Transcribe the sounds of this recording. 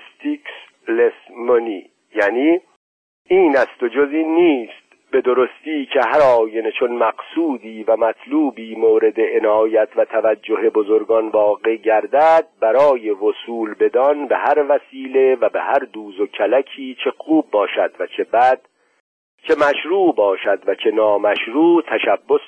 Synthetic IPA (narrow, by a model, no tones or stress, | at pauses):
st̪iks | lesmoniː | jæːniː | iːnæst̪o̞d͡ʒoziːnːiːst̪̚ | b̥e̞d̪o̞ɾost̪iːcʰe̞ɦæɾɒːjenet͡ʃʰo̞nmæɡsuːd̪iːvæmæt̪ʰluːbiːmoːɾe̞d̪eenɒːjæt̪ʰvæt̪ʰævæd͡ʒːo̞ɦe̞bozoɾɡɒnvɒːɡeɟæɾd̪æd̪̚bæɾɒːje̞vosuːlbe̞d̪ɒnbehæɾvæsiːle̞væbehæɾd̪uːzo̞cʰælækʰiːt͡ʃʰe̞xuːbːɒːʃæd̪̥væt͡ʃʰebæd̪̥ | t͡ʃʰemæʃɾuːʔbɒːʃæd̪væt͡ʃʰe̞nɒːmæʃɾuːt̪ʰæʃæbːos